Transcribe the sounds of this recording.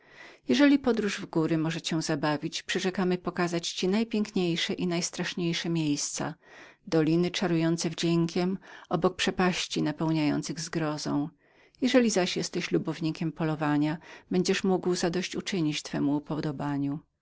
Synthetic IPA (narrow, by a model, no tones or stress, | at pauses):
jɛʐɛlʲipɔd̪ɾuʐvɡuɾɘmɔʐɛt͡ɕɛw̃zabavʲit͡ɕpʂɛʐɛkamɘpɔkazat͡ɕt͡ɕinajpʲjɛŋkɲejʂɛʔinajst̪ɾaʂɲejʂɛmʲjejst̪sa̰ | d̪ɔlʲinɘt͡ʂaɾujɔnt̪sɛvd͡ʑeŋkʲʰɛmʔɔbɔk̚pʂɛpaɕt͡ɕinapɛwɲajɔ̰nt̪sɘɣzɡɾɔzɔ̰̃w̃ | jɛʐɛlʲizaɕjɛst̪ɛɕlubɔvɲikʲɛmpɔlɔvaɲab̥ɛɲd͡ʑɛʂmuɡwzad̪ɔɕt͡ɕut͡ʂɘɲit͡ɕt̪fɛmuːpɔd̪ɔbaɲu